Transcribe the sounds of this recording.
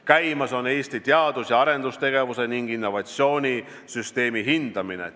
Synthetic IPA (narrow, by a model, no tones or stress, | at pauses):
kæjmɑso̞ne̞ːsʲt̪it̪eɑd̪usjɑɑɾe̞nd̪̥ust̪e̞ɡ̥e̞vuse̞niŋɡ̥inːo̞vɑt̪sjo̞ːnʲi | syst̪e̞ːmiɦind̪̥ɑminḛ